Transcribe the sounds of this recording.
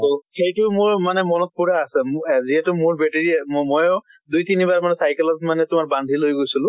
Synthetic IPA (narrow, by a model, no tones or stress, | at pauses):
ɦoxejtʊmʊɹmanɛmɔnɔt̚puɹaːsɛmziɦɛtʊmʊɹbɛteɹimmɔjʊ | dujtinibaɹmanɛsajkɛlɔtmanɛtʊmaɹbandʱilojɡojsilʊ̃